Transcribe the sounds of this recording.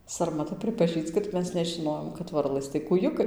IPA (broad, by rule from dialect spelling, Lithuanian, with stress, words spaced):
sɐrmɐˈtɐ pʲrʲɪpɐˈʒʲiːt͡ʃ kɐt ˈmʲɛs nʲɛʒʲɪˈnoːjoːm kɐt ˈʋɐrlˠɘs tɐɪ kuːˈjʊkɐɪ